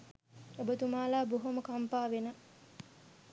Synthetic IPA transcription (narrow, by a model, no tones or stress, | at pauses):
ebət̪umaːlaːboɦoməkampaːʋenə